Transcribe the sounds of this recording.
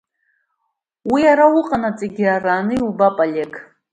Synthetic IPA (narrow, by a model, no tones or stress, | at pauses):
wijaɾawʊqʼanat͡sʼeɡʲiaraːnɨiubapʼale̞kʰʼ